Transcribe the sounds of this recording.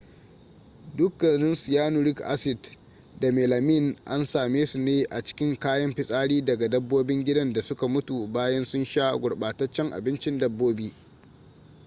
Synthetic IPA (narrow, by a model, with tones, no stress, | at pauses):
dʊ˦kːɐ˨nɪ˦nsʊ˨jaː˦nʊ˨ɾɪ˦kʔa̰˦sɪ˨d | da˨meː˨la˨mi˦˨nʔa˦nsaː˨meː˦su˨neː˦ʔa˨t͡ʃɪ̥˦kʲɪ˦ŋkaː˦jɐ˦mɸɪ˨sʼaː˦ɽiː˦dɐ˨ɡa˨dɐ˦bːoː˦bɪ˦ŋɡʲɪ˦dɐ˦nda˨sʊ˦ka˨mʊ˦tu˨baː˦jɐ˦nsʊ˦nʃaː˦ɡʷʊ˨ɽɓaː˨tɐ˦t͡ʃːɐ˦ŋʔa̰˨bɪ˦nt͡ʃɪ˦ndɐ˦bːoː˦biː˦